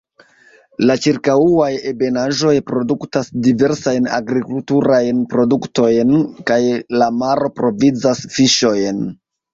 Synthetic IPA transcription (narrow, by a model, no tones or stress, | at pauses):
lat͡ʃiɾkauajebe̞naʒo̞jpɾo̞duktasdive̞ɾsajna̰ɡɾikultuɾajnpɾo̞dukto̞jnkajlamaɾo̞pɾo̞vid͡zasfiʃo̞jn